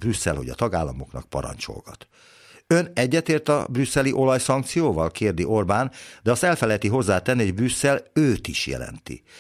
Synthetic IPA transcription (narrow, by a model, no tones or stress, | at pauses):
brysːɛ̰lhoɟɒt̪ɒɡaːlːɒmo̞knɒk̚pɒ̰ɾɒ̰ɲt͡ʃo̰lɡɒt̪ | ønɛɟːɛt̪eːrt̪ɒ̰brysːɛliʔo̞lɒjsɒŋk̚t̪sijoːvɒlkeːrd̪iʔo̞rbaːnd̪ɛɒst̪ɛlfɛlɛjt̪iɦo̞zːaːt̪ɛnːiɦɔɟbrysːɛløːt̪iʃjɛ̰lɛ̰nt̪ḭ